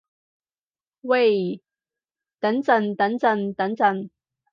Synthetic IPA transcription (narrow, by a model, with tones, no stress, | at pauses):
we˥˨˩j | t̪ɐ˨˥ŋt͡sɐ˨nt̪ɐ˨˥nt͡sɐ˧˩nt̪ɐ˨˥ŋt͡sɐ˨˩n